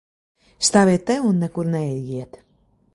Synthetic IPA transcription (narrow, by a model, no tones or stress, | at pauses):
st̪aːviɛt̪̚ːɛunːɛkuɾnɛiɡiɛt̪